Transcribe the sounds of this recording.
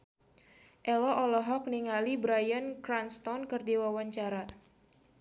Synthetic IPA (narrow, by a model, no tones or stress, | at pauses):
ʔɛlɔʔɔlɔɦɔk̚niŋalibɾajənkɾanst̪ɔnkɨrdiwawaɲt͡ʃaɾa